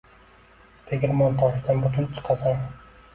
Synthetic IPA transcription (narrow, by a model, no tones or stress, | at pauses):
t̪ʰeɡʲɪɾmɒnt̪ʰɒʃd̪anbʊt̪ʰʊnt͡ʃʰɨ̥qʰɑsan